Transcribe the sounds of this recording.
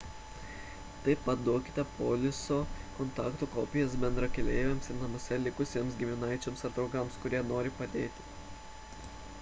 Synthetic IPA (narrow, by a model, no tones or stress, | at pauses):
t̪ɐɪpɐt̪d̪uɔkʲɪ̥t̪ʲɛpoːlʲɪsoːkɔnt̪ɑːkt̪uːkoːpʲɪjɛsbʲɛnd̪ɾɐkʲɛlʲeːʋʲɛmsɪɾnɐmʊsʲɛlʲɪkʊsʲiɛmsɡʲɪmʲɪnɐɪt͡ʃʲomsɐɾt̪ɾɐʊɡɐmskʊɾʲiɛnoːɾʲɪpɐd̪ʲeːt̪ʲɪ̥